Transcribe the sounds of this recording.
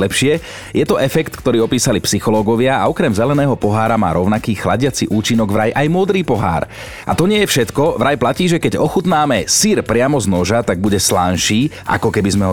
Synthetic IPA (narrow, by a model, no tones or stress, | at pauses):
ɛpʃɪɛ | jɛt̪ɔʔɛfɛkt̪kt̪ɔɾiːɔpiːsalipsixɔlɔːɡɔʋɪaa̰ɔkɾɛmzɛlɛnɛːɦɔpɔɦaːɾama̰ːɾɔʊnakiːxlaɟɪat͡siʔuːt͡ʃinɔɡʋɾajʔajmʊɔd̪ɾiːpɔɦa̰ːɾ | ʔa̰t̪ɔɲɪɛjɛfʃɛt̪kɔʋɾajplaciːʒɛkɛɟɔxut̪naːmɛsiɾpɾɪamɔznɔʒat̪aɡ̚buɟɛslanʃiː | ʔa̰kɔkɛbizmɛɦɔ